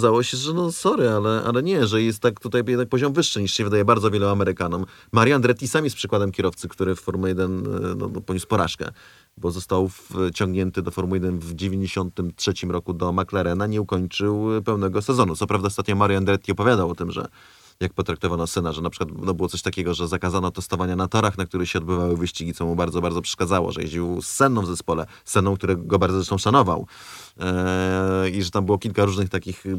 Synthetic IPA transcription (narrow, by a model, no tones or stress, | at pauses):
ɔazawɔɕɛʐɛnɔsɔɾɘalɛʔa̰lɛɲɛʐɛjɛst̪ːakt̪ut̪ajjɛd̪nakpɔʑɔmvɘʂːɘɲiʂɕɛvɘd̪ajɛbaɾd̪zɔvʲjɛluamɛɾɘkanɔmːaɾʲjand̪ɾɛt̪ʲːisamjɛspʂɘkwad̪ɛmkʲɛɾɔft̪sɘkt̪uɾɘffɔɾmuɛd̪ɛnnɔ̰nɔpɔɲuspɔɾa̰ʂkɛ̰ | bɔzɔst̪awft͡ɕɔ̃ŋɡɲɛnt̪ɘd̪ɔfɔɾmujɛd̪ɛnvd͡ʑevʲjeɲd͡ʑeɕɔnt̪ɘmtʂɛt͡ɕimɾɔkud̪ɔmaklaɾɛnaɲɛukɔɲt͡ʂɘwpɛwnɛɡɔsɛzɔnut̪sɔpɾavd̪aɔst̪at̪ɲɔmaɾjɔand̪ɾɛt̪̚ʲkʲiɔpɔvʲjad̪awɔt̪ɘmʐɛ̰ | jak̚pɔt̪ɾak̚t̪ɔvanɔsɘnaʐɛnapʂɘ̥kwat̪nɔbɘwɔt̪sɔɕt̪akʲɛɡɔʐɛzakazanɔt̪ɛst̪ɔvaɲanat̪ɔɾaxnakt̪uɾɘxɕɛɔd̪bɘvawɘvɘɕt͡ɕiɡʲit̪sɔmubaɾd̪zɔbaɾdzɔpʂɛ̥ʂkad̪zawɔ̰ʐɛ̰jḛd͡ʑiwst̪sɛnːɔ̃vzɛspɔlɛ | sɛnːɔ̃kt̪uɾɛɡɔbaɾd̪zɔzɛʂt̪ɔ̃ʂanɔva̰w | iʐɛt̪ambɘwɔkʲilkaɾuʐnɘxt̪akʲix